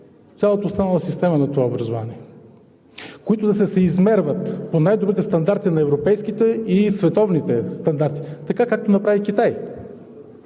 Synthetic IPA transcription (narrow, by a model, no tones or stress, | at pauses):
sʲalˠət̪əoːst̪anəlˠəsist̪ɛmənɐt̪ovaobɾɐzova̰niɛ | koit̪od̪ɐsɛsɛizmɛɾvət̪ponajd̪obɾit̪ɛst̪ɐnd̪aɾt̪inɐɛvɾopɛjskit̪ɛisvɛt̪ɔvnit̪ɛst̪ɐnd̪aɾt̪i̥t̪ɐkakak̚t̪onɐpɾavik̟it̪aj